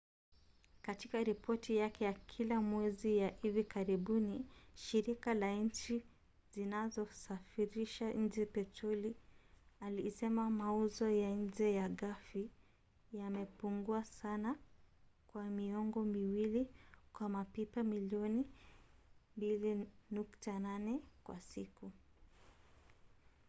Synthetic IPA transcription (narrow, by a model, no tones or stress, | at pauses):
katikaɾipʰɔtijakɛjakʰilamwɛzijahivikaɾiɓuniʃiɾikalaɲ̩t͡ʃi | zinazɔsafiɾiʃaɲ̩d͡ʒɛpɛtɔli | alisɛmamauzɔjaɲ̩d͡ʒɛjaɠafi | jamɛpuŋɡuasana | kwamiɔŋɡɔmiwilikwamapipamiliɔni | mbilinuktananɛkwa̰siku